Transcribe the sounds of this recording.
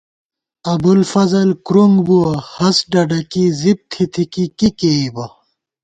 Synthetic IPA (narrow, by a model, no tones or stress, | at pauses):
ɐbulfɐzɐlkɾuŋɡbuwɐhɐsɖɐɖɐkizib̚t̪ʰit̪ʰikikikeibɐ